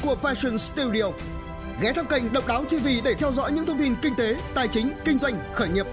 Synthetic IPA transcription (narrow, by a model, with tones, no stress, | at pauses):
ku˧˩əfa˧sə˧˩nst̪i˧wɗi˧ə˨˩w | ɣɛ˨˦t̪ʰa˧wŋ͡mkə˨˧˩jŋ̟ɗə̰˧˨ŋ͡mɗaː˨˦wt͡ɕi˧˩vḭ˧˨ɗe˧˩t̪ʰɛ˧wzɔ̰˧˥jɲɨ̰˧˥t̪ʰə˧wŋ͡mt̪i˧˩nkï˧ŋ̟t̪e˨˦t̪aː˨˩jt͡ɕï˨˦ŋ̟kï˧ŋ̟zwa˧jŋ̟xəː˧˩jɲi˨˩p̚